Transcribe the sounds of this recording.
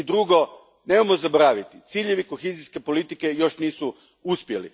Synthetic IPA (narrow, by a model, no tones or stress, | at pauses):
id̪ɾuɡo̞ | neːmamozaboɾaːʋit̪i̥t̪siːʎe̞ʋiko̞xeziske̞po̞lit̪ike̞jo̞ʃniːsu | uspje̞lḭ